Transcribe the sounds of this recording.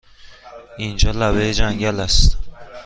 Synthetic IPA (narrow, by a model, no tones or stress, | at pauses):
ind͡ʒɒlabed͡ʒaŋɡʲalast̪